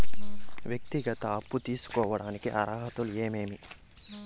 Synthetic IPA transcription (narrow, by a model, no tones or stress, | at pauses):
ʋjɐk̚t̪iɡɐt̪ɐɐpːut̪iːsu̥kɔːʋɐɽaːnikiʔa̰ɾaːɦɐt̪ulueːmeːmi